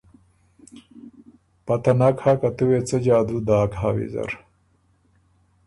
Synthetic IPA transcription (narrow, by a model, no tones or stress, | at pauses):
pɐt̪ɐnakhakɐt̪uwet͡sɐd͡ʑaːd̪ud̪aːkɦawḭzɐ̰ɾ